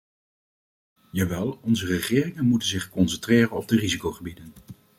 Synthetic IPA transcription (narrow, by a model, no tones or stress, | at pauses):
jaʋɛlˠɔnzərəχɪːrɪŋənmutənzɪχkɔnsɛntreːrənɔb̚dərizikowχəbidən